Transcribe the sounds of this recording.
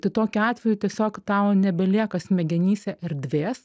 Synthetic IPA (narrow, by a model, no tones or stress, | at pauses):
t̪ɐɪt̪oːkʲʊɑːt̪ʲʋʲɛjʊtʲiɛsʲoːkt̪ɐʊnʲɛbʲɛlʲiɛkɐsmʲɛɡʲɛnʲiːsʲɛʔɛɾʲd̪ʲʋʲeːs